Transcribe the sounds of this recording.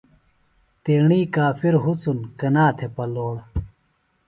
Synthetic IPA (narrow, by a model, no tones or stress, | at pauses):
t̪eːɳiːkaːfiɾɦut͡sunkɐnaːt̪ʰepɐloːɽ